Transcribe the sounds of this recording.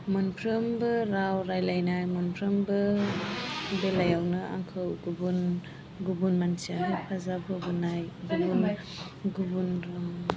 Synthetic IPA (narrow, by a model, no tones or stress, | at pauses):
mɔnpʰɾɯmbɯɾawɾajlajnajmɔnpʰɾɯmbɯ | belajawnɯa̰ŋkʰɯwɡubun | ɡubunmansiaɦajpʰazapʰɯbunajɡubun | ɡubunɾɯm